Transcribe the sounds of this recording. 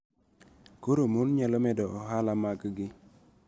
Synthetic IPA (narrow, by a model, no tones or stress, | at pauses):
koɾomonɲalɔmɛdɔʔɔɦalamakɡɪ